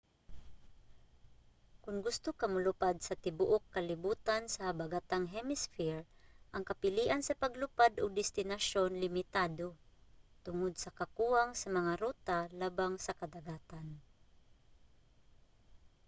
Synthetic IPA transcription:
kʊŋɡʊst̪ʊkɐmʊlʊpad̪sɐt̪ɪbʊʔokːɐlɪbuːt̪ansɐhɐbaɡat̪aŋɦɛmɪsfɪɹʔɐŋkɐpɪliːʔansɐpɐɡlʊpad̪ʊɡ̚d̪ɪst̪ɪnaʃonlɪmɪt̪aːd̪ot̪ʊŋʊd̪̚sɐkɐkuːaŋsɐmɐŋaɾuːt̪alaːbaŋsɐkɐd̪aɡaːt̪an

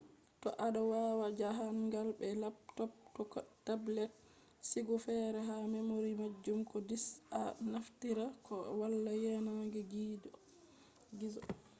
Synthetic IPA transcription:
tɔʔaɗɔwawad͡ʒaɦanɡalbɛlap̚tɔp̚tɔkɔtablɛt̚ | siɡɔfɛɾɛɦamɛmoɾimad͡ʒːumkɔdisanaftiɾakɔwalːajɛnaɡɛɡiːdɔ | ɡizɔ

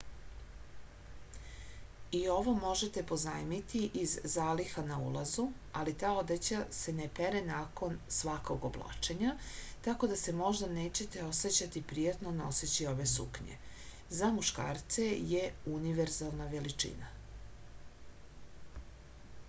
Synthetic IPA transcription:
io̞ʋo̞mo̞ʒe̞t̪e̞po̞znaːjmit̪iʔizːaːlixanaṵlˠazu | alit̪aːo̞d̪et͡ɕase̞nepe̞ɾenaːko̞nsʋako̞ɡo̞blˠa̰ːt͡ʃe̞ɲat̪ako̞d̪ase̞mo̞ʒd̪aneːt͡ɕe̞t̪e̞o̞set͡ɕat̪ipɾijat̪no̞no̞set͡ɕio̞ʋe̞sṵkɲḛ | zamuʃka̰ːɾt̪se̞jeuniʋeɾzalˠnaʋe̞lit͡ʂḭna

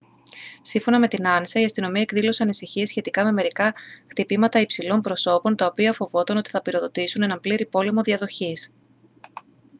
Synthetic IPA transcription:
siɱfo̞nɐme̞t̪inɐnisɐiɐst̪ino̞miɐekðilo̞se̞ɐnisiçie̞sçe̞t̪ikɐme̞me̞ɾikɐxt̪ipimɐt̪ɐipsilo̞mpɾo̞so̞po̞nt̪ɐopiɐfo̞vo̞t̪ɐnot̪i̥θɐpiɾo̞ðo̞t̪isune̞nɐmpliɾipo̞le̞mo̞ðiɐðo̞çis

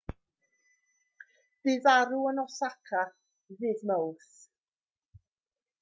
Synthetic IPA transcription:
ð̥ɨvaɾuənɔsakʰa | vɨːðməwθ

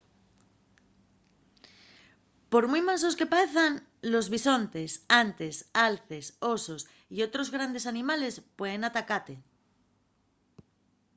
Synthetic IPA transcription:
po̞ɾmujmaso̞ske̞paeθan | lo̞zβiso̞nt̪e̞sant̪e̞salθe̞so̞sos | io̞t̪ɾo̞zɣɾand̪e̞sanĩmale̞spwe̞ð̞e̞nat̪akat̪e̞

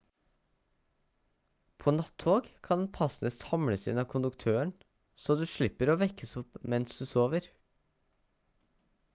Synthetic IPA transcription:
pʰoːnɑt̪hoːɡkʰɑnd̪n̩pʰɑsn̩əshɑmɽəsɪ̰nɑːʋkʰʊnd̪ʉkt̪ʰøːəɳ | soːd̪ʉːʃɭɪpəɾoːʋɛkəsʊpmɛnsd̪ʉːsoːʋəɾ

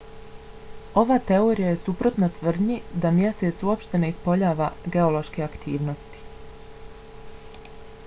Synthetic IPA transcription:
o̞ʋat̪e̞o̞ɾijaje̞supɾo̞t̪nat̪ʋr̩d̪ɲid̪amje̞set̪suopʃt̪e̞ne̞ispo̞ʎaːʋaɡe̞o̞loʃke̞akt̪ʰiːʋno̞st̪i̥

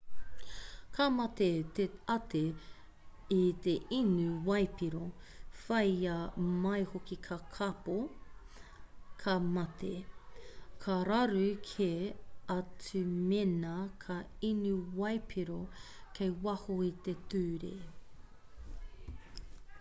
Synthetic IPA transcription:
kʰamɐt̪et̪eɐtʰe | it̪eʔinʉwɐjpiɾofɐjɐmɐjhokikʰɐkʰɐpo | kʰɐmɐt̪ʰḛ | kʰɐɾɐɾʉkʰeɐt͡sʉmenɐkʰɐ | inʉwɐjpʰiɾo | kʰejwɐhoit̪etʉːɾḛ

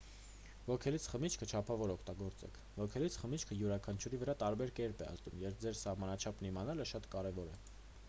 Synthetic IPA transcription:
vɔkʰɛlit͡sʰχəmit͡ʃʰkʰət͡ʃʰɑpʰɑvɔɾɔkʰt̪ɑɡɔɾt͡sɛ̰kʰvɔkʰɛlit͡sʰχəmit͡ʃʰkʰəjuɾɑkʰɑnt͡ʃʰuɾivəɾɑt̪ɑɾbɛɾkɛɾpɛ̰ə̰st̪umjɛɾv̚d͡zɛɾsɑhmɑnɑt͡ʃʰɑpʰnimɑnɑləʃɑt̪kɑɾɛvɔɾɛ

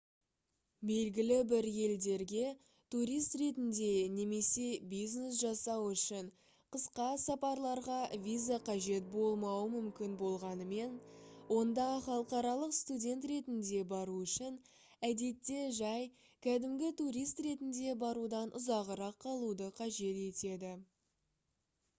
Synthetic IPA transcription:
be̞lɡʲɪlɪbɪɾje̞ld̪e̞ɾɡʲe̞ | t̪uɾijst̪ɾe̞t̪ɪnd̪e̞ne̞me̞se̞bijzne̞s̬ʒɑsɑwʏʃɪɴ | qəsqɑsɑpɑɾlˠɑɾʁɑvʲijzaqʰɑʒe̞t̪̚bo̞lˠmɑwəmʏmkʲɪnbo̞lˠʁɑnəme̞nwo̞nd̪ɑχɑlˠəqɑɾɑlˠəqst̪udʲe̞nt̪ɾe̞t̪ɪnd̪e̞bɑɾuʏʃɪn | æd̪e̞t̪ːe̞ʒɑj | kʲʰæd̪ɪmɡʲɪt̪uɾijst̪ɾe̞t̪ɪnd̪e̞bɑɾud̪ɑnʔʊzɑʁəɾɑqʰːɑlˠud̪əqʰɑʒe̞t̪e̞t̪e̞d̪ɪ

